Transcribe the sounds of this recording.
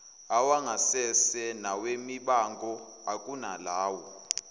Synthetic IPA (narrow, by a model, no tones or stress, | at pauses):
awaŋasɛsɛnawemiɓaŋɡʱʼɔ | akʼunalaːwɔ